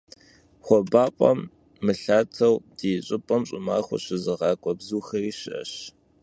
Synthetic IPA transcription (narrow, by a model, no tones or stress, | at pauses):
χʷɔbaːpʼɐ̰mː | ɨɬaːtʰɐwd̥iːɕʷʼɪpʼɐmɕʼɪma̰ːxʷʊ̰ɕɪzɨʁɑːkʷʼɔbzuːxɐriːɕɪʔɐ̰ɕ